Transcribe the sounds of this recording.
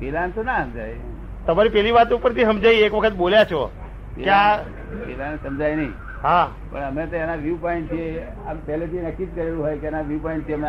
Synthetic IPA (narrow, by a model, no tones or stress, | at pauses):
pelant̪onaɦəmd͡ʒaj | t̪əmaɾipɛliʋat̪upəɾt̪iɦəmd͡ʒaiekʋəkʰət̪boljat͡ʃʰɔ̰ | kja | pelanesəmd͡ʒajnəḭ̃ | ɦã | pə̰ɳəmet̪oenaʋipɔĩɳʈt̪ʰie | ampɛlet̪ʰinəkid̪̚kəɾelũɦojkeenaʋipɔĩɳʈt̪ʰiəme